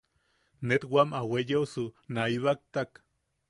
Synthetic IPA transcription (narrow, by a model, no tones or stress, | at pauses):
net̪wamawejewsunaiβak̚t̪ak